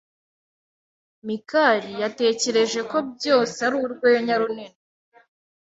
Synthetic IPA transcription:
mikaɾijate̞ːce̞ɾe̞ʒe̞ko̞b̚jo̞ːseaɾuːɾɡweːjoɲaɾunini

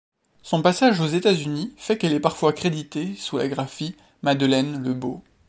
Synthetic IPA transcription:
sɔ̃pasaʒozet̪azynifɛkɛlɛpaʁfwaːkχed̪it̪esula̰ɡʁafi | mad̪lɛnləbo̰

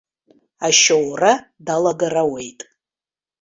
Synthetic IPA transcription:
aʃowra | dalaɡarawe̞jtʼ

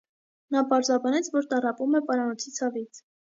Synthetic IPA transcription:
nɑpɑɾzɑbɑnɛt͡sʰvɔɾt̪ɑrɑpumɛpɑɾɑnɔt͡sʰit͡sʰɑvit͡sʰ

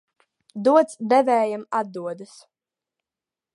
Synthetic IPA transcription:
d̪uɔt̪sd̪ɛvɛːjamad̪̚ːuɔd̪ɨs

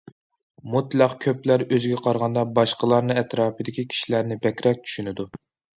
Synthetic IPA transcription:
mut̪lˠæqkʲʰøplæɾøzɡʲɛqʰɑɾʁɑnd̪ɑbɑʃqəlˠɑɾnɨɛt̪ɾɑːpɨd̪ɪkʲikʲʰi̥ʃilæɾnɪbɛkʲɾɛk̚ʲt͡ʃʰy̥ʃynɪd̪u

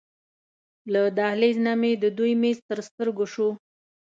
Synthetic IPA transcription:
lad̪ɑhleznɑmed̪əd̪ujmezt̪əɾst̪əɾɡoʃu

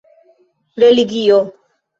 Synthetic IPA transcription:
ɾeliɡio

